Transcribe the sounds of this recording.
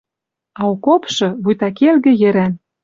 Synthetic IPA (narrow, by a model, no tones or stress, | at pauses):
ɑukopʃɤ̆βujt̪ɑkelɣɘ̆jɘ̆ɾæn